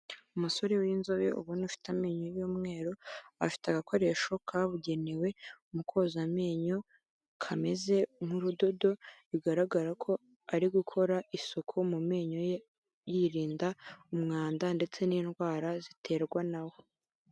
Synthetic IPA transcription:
umuso̞ɾewinzo̞βeʔṵβunufi̥tameːɲojuːmŋe̞ːɾoa̰fi̥teaɡakʰo̞ɾe̞ʃo̞kʰaβuɟe̞newe̞umukʰo̞zame̞ːɲo̞ | kʰame̞ze̞ŋ̥uɾudo̞do̞iɡaɾaɡaɾakʰo̞ | aɾiɡukʰo̞ɾaʔisokʰomume̞ːɲoj | jiɾiːndaumŋaːndande̞t͡se̞niːnɡwaːɾazitʰe̞ːɾɡwanawo

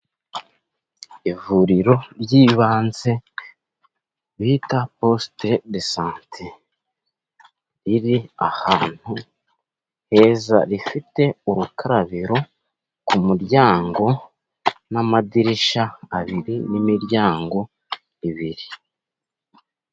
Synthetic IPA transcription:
ivuɾiɾo̞ɾjiːβaːnze̞ | βiːtapo̞stedesaːntʰe | ɾiɾiahaːn̥hu | he̞ːza̰ɾifite̞uɾukʰaɾaβiɾo̞ | kumuɾjaːŋɡo̞ | namadiɾiʃaːβiɾinimiɾjaːŋɡo̞ | iβiɾi

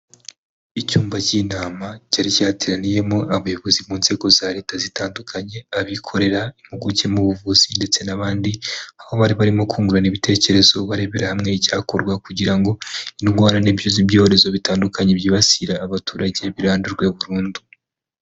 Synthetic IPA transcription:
icuːmbacinaːmacaɾicahatiɾanije̞mo̞aβujo̞βo̞zimuːnz̥e̞ɡo̞zaɾe̞ːtazitaːndukʰaɲe̞aβikʰo̞ɾe̞ɾaimuɡucemuβuvuz̥inde̞t͡se̞naβaːndiaho̞βaɾiβaɾimo̞kʰuːŋɡuɾaniβitʰe̞ːce̞ɾe̞zo̞βaɾe̞βe̞ɾahamŋe̞icaːkoɾɡwakuɟiɾaŋɡo̞inuɡwaːnaniβiʃozibɟo̞ːoɾe̞zo̞βitaːndukaɲe̞bjiβasiɾaːβatuːɾaɟe̞βiɾaːnduɾɡwe̞βuɾuːndu

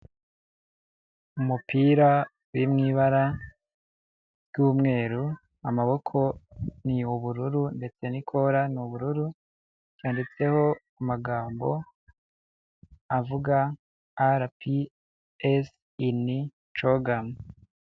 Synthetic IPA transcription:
umupiːɾa | wimŋiːβaɾa | b̥ɡuːmŋe̞ːɾu | amaβo̞kʰo̞niuβuɾuɾunde̞t͡se̞nikʰo̞ɾanuβuɾuɾu | ɟ̥jaːndit͡se̞ho̞ | amaɡaːmbo̞̰ | avuɡa | aɾpi | es | ini | toɡam

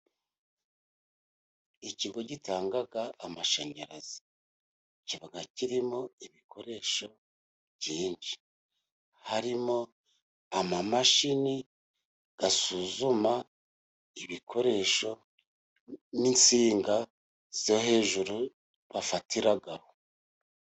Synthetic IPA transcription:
iciɡo̞ɟitaːŋɡaɡaːmaʃaɲaɾazi | ciβaɡaciɾimo̞iβikʰo̞ɾe̞ʃo̞ | βɟiːɲd͡ʒi | haɾimo̞ | amamaʃini | ɡ̥asuzuma | iβikʰo̞ɾe̞ʃo̞ | nint͡siːŋɡa | z̥ohe̞ːʒuɾu | βafatiɾaɡaho

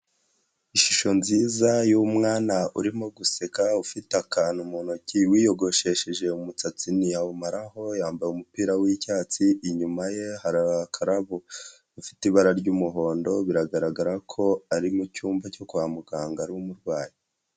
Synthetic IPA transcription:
iʃiʃo̞nziːzajumŋaːnaʔuɾimoɡuse̞kaufitakaːnumonociwiːjo̞ɡo̞ʃe̞ʃeʒe̞umut͡sat͡siniaumaɾaɦo̞jaːmbajumupiːɾawicaːt͡siːɲumaje̞haɾaakʰaɾaβo | ufi̥tiβaɾaɾɟuːmuɦo̞ːndo̞βiɾaɡaɾaɡaɾakʰo̞aɾimucuːmvaco̞kuβamuɡaːŋɡaɾumuɾɡwaːji

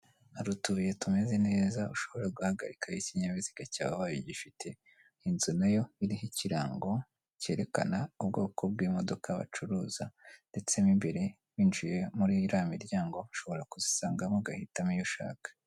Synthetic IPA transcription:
aɾutuje̞tume̞ze̞ne̞ːzauʃo̞βo̞ɾaɡuhaɡa̰ɾikʰajiciɲaβiziɡaca̰ːβaβajoɟifitʰe̞ | inzunajo̞iɾiɦiciɾaːŋɡo̞ | ce̞ːɾe̞kanaub̚ɡo̞ːkʰo̞b̚ɡiːmo̞do̞kaβa̰t͡ʃuɾuːz̥ande̞t͡se̞mimbe̞ɾe̞ | wiːnt͡ʃuje̞muɾiɾamiɾjaːŋɡo̞ʃo̞βo̞ɾakuzisaːŋɡamoɡahitamijoʃa̰ːkḁ

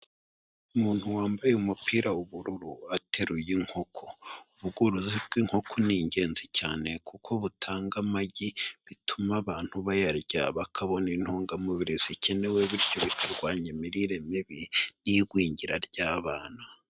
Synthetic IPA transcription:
umuːn̥huwaːmbajeumupiːɾauβuɾuɾuatʰe̞ɾujiŋ̥ho̞kʰouβuɡoɾuzibɡiŋ̥ho̞kʰoniɲɟe̞ːnzicaːne̞kukʰo̞βutʰaːŋɡamaɟiβitumaβaːn̥huβajaɾɟaβakʰaβo̞nin̥hoːŋɡamuβiɾizicene̞weβiɾɟo̞βikʰaɾɡwaːɲemiɾiɾemiβiniɡwiːɲɟiɾaɾɟaːβaːn̥a

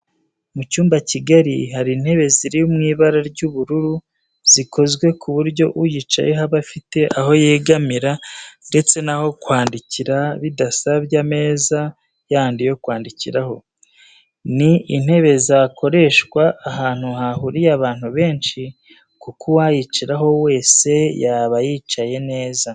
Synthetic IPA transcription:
mucuːmbaciɡaɾihaɾin̥he̞βe̞ziɾijumŋiːβaɾaɾɟuβuɾuɾu | z̥ikʰo̞zɡwe̞kʰuβuɾɟo̞ʔujit͡ʃa̰jeɦaβafite̞ʔaɦo̞jeːɡamiɾande̞t͡se̞naho̞kwaːndiciɾaβidasaβjame̞ːza | jaːndijo̞kwaːndiciɾaho̞ | niin̥he̞βe̞zakʰo̞ɾe̞ːʃɡwaʔːɦaːn̥huhahuɾijaβaːn̥huβe̞ːnʃi | kukʰuwajit͡ʃiɾaɦo̞we̞ːse̞jaβajiːt͡ʃaje̞ne̞ːza

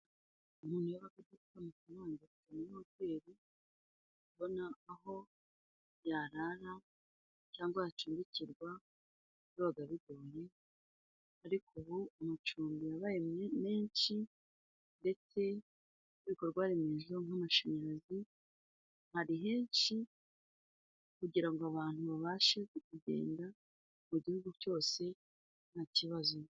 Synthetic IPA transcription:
umuːn̥ujaβakedukamufaɾaːnzakutuninokweːɾi | βo̞naːɦo̞ | jaːɾaɾa | t͡ʃaːŋɡwahat͡ʃuːmbiciɾɡwa | βɾoːɡaβiɡoje̞ | aɾikʰoβuːmut͡ʃuːmbijaβajemeːnʃi | nde̞t͡se̞ | βiko̞ɾɡwaɾimiːʒuoŋamaʃaɲaɾazi | haɾiɦe̞ːnʃi | kuɟiɾaŋɡoaβaːn̥huβaβaːʃeekuɟe̞̰ːnda | muɟihuɡuco̞ːse̞ | n̥haciβazo

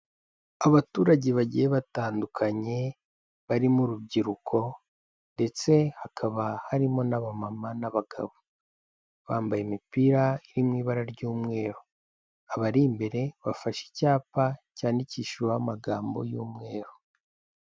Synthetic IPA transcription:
aβatuːɾaɟe̞βaɟijeβataːndukʰaɲe̞ | βaɾimuɾubɟiɾukʰo̞ | nde̞t͡se̞hakʰaβahaɾimo̞naβamamanaβaɡ̥a̰βo | βaːmbajemipiɾaiɾimŋiːβaɾaɾɟuːmŋe̞ːɾo | aβaɾimbe̞ɾe̞βafaʃi̥caːpacaːndiciːʃwaamaɡaːmbo̞̰juːmŋe̞ːɾo

